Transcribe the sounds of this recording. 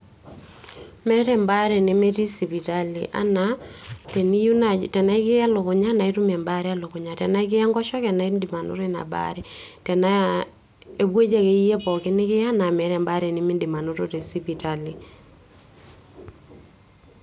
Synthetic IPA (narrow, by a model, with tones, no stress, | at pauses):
mɛ˦ɾɛ˦mba˦ɾɛ˨nɪ˦me˦ti˦si˨pi˨ta˦lḭ˨ʔa̰˦na˦te˨ni˦u˦na˨tɛ˨na˦ɪ˦kɪ˦a˦lʊ˨kʊ˨ɲa˦na˨i˦tu˦mɛ˨mba˦ɾɪ˦a˦lʊ˨kʊ˨ɲa˨tɛ˨na˦ɪ˦k̬ɪ˦ja˦ŋɡɔ˦ʃɔ˦kɛ˨na˨i˦ndi˨ma˨no̰˦ɾe˦na̰˨ba̰˨ɾɪ˦ | tɛ˨na˦ | e˨bwe˦d͡ʒa˦ke˨i˦je˦pɔ˨kɪ˦nɪ˦kɪ˦a˦na˨mɛ˨ɾɛ˨mba˦ɾe˨nɪ˨˦mɪ˦ndi˨ma˨no˦ɾo˦ɾi˨si˦pi˨ta˨li˨